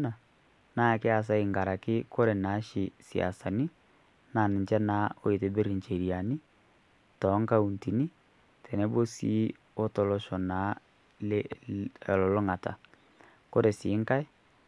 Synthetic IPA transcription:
na˨ | na˦˨ke˦a˨s̬a˦i˨ŋɡa˨ɾa˨kɪ˦ko˦ɾe˨na˨˦ʃi˨sḭ˨a̰˨sa˨ni˦ | na˨ni˨ɲt͡ʃɛ˦na˨˦o˦i˨te˨be˦ɾi˨ɲt͡ʃe˨ɾi˨a˨ni˦ | tɔ˨˦ŋka˦u˨nti˨ni˦ | tʰɛ˨nɛ˦bo˦si˦ | o˦tɔ˨lɔ˦ʃɔ˨na˨˦ | lɔ˨lɔ˨lɔ˦ŋa˨ta̰˨ | ko˦ɾe˨siː˨˦ŋka˦e˦

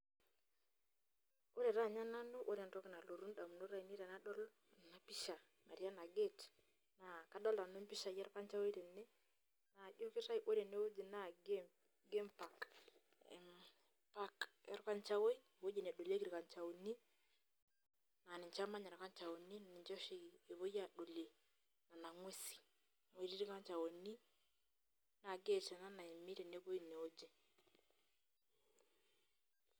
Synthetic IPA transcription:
o˦ɾe˨ɾa˦˨ɲa˦na˦no˦ʔo˦ɾɛ˨ntɔ˦kɪ˨na˨lo˨ɾu˦nda˨m˨no˦ɾa˦˨i˨ni˦ɾɛ˨na˦ɗɔ˦l | na˦pɪ˦ʃa˨ | ma˨ɾja˦na˨ɡe˦˨t | na˨ka˨ɗɔ˦la˨no˦mpɪ˦ʃa˨jɛ˦ɾka˦nt͡ʃa˦we˦ɾɛ˨ne˦ | na˨ʄo˦kɪ˦ɾa˦jʔo˦ɾe˨ne˦o˦d͡ʒi˨na˦ɡ | ɡe˦mpa˨k | m | pa˦kɛ̰˨ɾɔ˦ka˦ɲt͡ʃa˦wo˦i˦˨βo˦je˨nɛ˨ɗo˨le˦kiɾi˨ka˨ɲt͡ʃa˨o˨ni˦ | na˨ni˨ɲt͡ʃa˦ma˦ɲa˨ɾa˨ka˦ɲt͡ʃa˨o˨ni˦na˨ni˨ɲt͡ʃɔ˦ʃi˦˨e˨βo˦ja˨ɗo˨le˨ | na˨na˨ŋwe˦si̥˨ | ŋwe˨ɾi˦ɾi˦ka˦ɲt͡ʃa˨o˨ni˦ | na˨ɡe˦˨tɛ˨na˦na˨e˨mi˦ɾɛ˨ne˦βo˦i˨ne˨o˦d͡ʒe˨

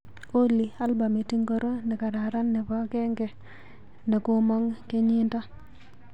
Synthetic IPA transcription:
o˦li˨a˦lba˨me˨ti˦ŋɡo˦ɾo˦nɛ˨ka˨ɾa˨ɾa˦nːɛ˨pa˦kɛ˦ŋɡɛ˨ | ne˨ku˦mɔ˦ŋke˦ɲi˦nta˦

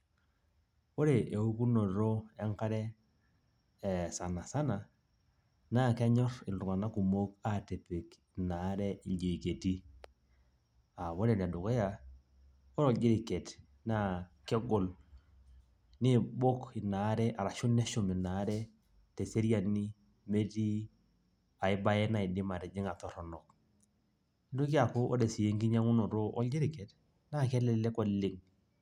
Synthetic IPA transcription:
wo˦ɾe˨ʔe˨u˦ku˦no˨ɾo˦e˦ŋka˦ɾɛ˦˨ | sa˨na˨sa˦na˨ | na˦˨kɛ˦ɲɔ˦rɪ˨ldʊ˨ŋa˨na˦ku˨mo˦ka˦te˨pɪ˨k | na˨˦ɾɛ˦i˨d͡ʒe˨ke˨ti˦ | a˨βo˦ɾe˨nɛ˨dʊ˨kɔ˦ja˨ | o˦ɾɔ˦˨d͡ʒɪ˦ɾɪ˨ke˨t | na˦˨kɛ˦ɡɔ˨l | nɪ˦bo˦kɪ˨na˨˦ɾɛ˦ʔa˨ɾa˨ʃʊ˦nɛ˦ʃʊ˨mɪ˨na˨˦ɾɛ˦ | te˨se˦ɾja˨ni˦ | me˦ti˦ | a˨ɪ˦ba˦jɛ˦na˦˨ɪ˨dɪ˦ma˨ɾɛ˨d͡ʒɪ˦ŋa˨tɔ˨ɾɔ˨nɔ˨k̚ | ɪ˦dʊ˦ka˨ko˦ʔɔ˦de˨si˨je˦ŋɡi˦ɲa˦ŋʊ˦nɔ˨ɾo˦ʔɔ˦ld͡ʒɪ˦ɾɪ˨kɛ˨t | na˦kɛ˦lɛ˦˨˦lɛ˦kɔ˦lɪ˦ŋ

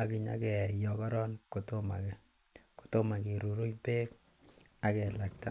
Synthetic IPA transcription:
a˨ki˨ɲa̰˦kɛ˨jɔ˨kɔ˦ɾɔ˦nko˨to˦ma̰˨kɛ˨ | ko̥˨to˦ma˨ke˨ɾu˨ɾu˦ɲpeː˦k | a˦kɛ˨la˨k̚ta˦

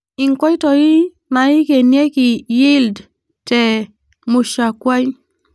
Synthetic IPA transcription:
ɪ˨ŋkɔ˦i˦tɔ˨ji˦ | na˨i˦ke˨nje˦ki˨ji˦ld | tɛ˨ | mu˨ʃa˨kwa˦ɲ

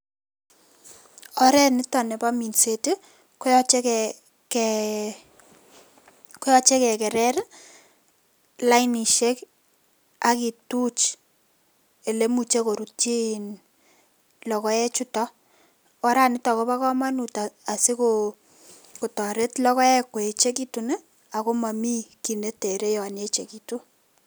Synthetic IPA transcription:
ɔ˦ɾɛ˦nɪ˦tɔ˨nɛ˨pa˦mi˨nse˦ti˦ | kɔ˦jɔ˦t͡ʃe˦k | kɛ | kɔ˦jɔ˦t͡ʃe˦kɛ˨kɛ˨ɾɛ˦r | la˦ɪni˨ʃe˦k | aki˨tu˦t͡ʃ | e˨le˦mu˨t͡ʃe˦ko˨ɾu˨t͡ʃi˦n | lɔ˨kɔ˦ɛ˦t͡ʃu˦tɔ˦ | ɔ˦ɾa˦˨nɪ˦ta˨ko˦βa˦kɔ˦ma˦nu˨taa˨si˦ko | ko˨tɔ˨ɾe˦tlɔ˦kɔ˦ɛ˦kːo˨e˨t͡ʃe˦ki˦tu˨ne˦ | a˨ko˦ma˨mi˦ki˨ne˦te˨ɾe˦jɔ˨a˨ne˦t͡ʃe˨ki˨tu˦

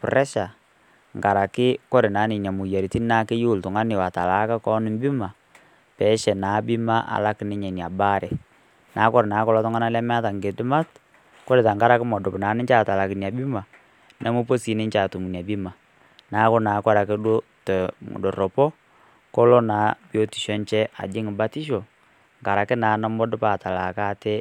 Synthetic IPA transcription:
pʊ˨ɾɛ˦ʃa˨ | ŋɡa˨ɾa˨kɪ˦kɔ˦ɾɪ˨naː˨˦nɪ˨ɲa˨mʊ˨ja˨ɾi˨ti˦naː˦kɪ˦ju˦˨ltʊ˨ŋa˦nɪ˨wa˨ta˨la˨˦ka˦kɔ˦nɪ˨mbi˦ma˨ | pɛ˨˦ʃɛ˨naː˨˦bɪ˦ma˦ʔa̰˨la˦kɪ˨nɪ˦ɲɛ˨nja˨ba˦ɾɛ˨ | naː˨˦kɔ˦ɾɪ˨naː˨˦kɔ˦lɔ˦tɔ˦ŋa˦na˦lɛ˦m˦a˦ta˨ŋɡe˨dɪ˦ma˦t | ko˦ɾe˨ta˨ŋɡa˦ɾa˨˦kɪ˦mɔ˨dʊ˨pnaː˨˦nɪ˦t͡ʃa˦˨ta˨la˨kɪ˨n˨a˨bi˦ma˨ | nʔɛ˦mʊ˦po˦si˨˦nɪ˦nt͡ʃaː˨tu˨mu˨nja˨bi˦ma˨ | na˨˦kʊ˦naː˨˦kɔ˦ɾa˨ke˦do˦tdo˨ɾo˨pɔ˦ | ko˦lo˦naː˨˦bi˦o˦ti˨ʃɔ˦nt͡ʃɛ˦ʔa̰˨d͡ʒɪ˦ŋɪ˨ba˦ti˦ʃo˨ | ŋɡa˨ɾa˨kɪ˦naː˨˦na˦mɔ˦dʊ˦pa˨ta˨la˨ka˦tɛ˦

